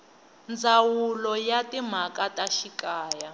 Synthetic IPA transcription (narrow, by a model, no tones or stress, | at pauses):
nd͡zawulɔjatim̤akataʃikaːja